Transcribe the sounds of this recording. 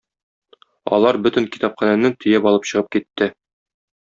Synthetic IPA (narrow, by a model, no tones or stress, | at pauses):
ɒ̰lˠɑɾbɵ̆t̪ɘ̆ŋki̥t̪ɑpχɑnænɘt̪ɵ̆jæpɒlˠɤpɕɤ̆ʁɤp̚kit̪ːɘ